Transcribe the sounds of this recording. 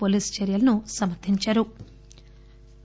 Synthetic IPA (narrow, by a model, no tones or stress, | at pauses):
poliːst͡ʃeɾijɐlɐnusɐmɐɾt̪ʰiɲt͡ʃaːɾu